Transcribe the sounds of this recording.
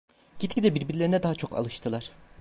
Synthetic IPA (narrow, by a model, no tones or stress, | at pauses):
ɟit̪cid̪ɛbiɾbiɾlʲeɾinɛd̪aɦat͡ʃʰo̞kʰa̰lˠɯʃt̪ʰɯlˠaɾ̥